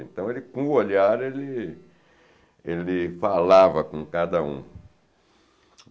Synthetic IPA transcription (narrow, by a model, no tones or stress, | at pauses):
ḛ̃nt̪ɐ̃w̃elɪkõʊoʎaɾelɪ | elɪfalavɐkõkad̪ɐṵ̃